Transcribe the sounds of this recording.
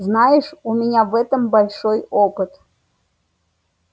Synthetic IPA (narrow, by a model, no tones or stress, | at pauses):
znɑjɪʂumʲɪnʲavɛt̪əmbɐlʲʂojopɨt̪